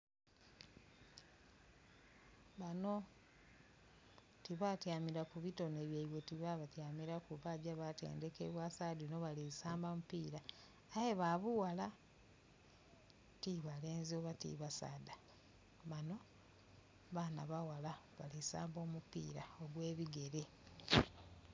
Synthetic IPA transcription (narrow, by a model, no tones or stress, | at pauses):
βano̞ | tiβatjaːmiɾakuβito̞neːβjaiβwe̞tiβaβatjaːmiɾakuβaɟaβate̞̰ːnde̞kḛβwasadino̞βalisaːmbamupiːɾaː | jeβaβuwala | tiβale̞ːnzioβatḭβasa̰ːda | βano̞ | βana̰βawalaβalisa̰ːmbo̞ːmupḭːɾa̰oɡwe̞ːβiɡe̞ɾe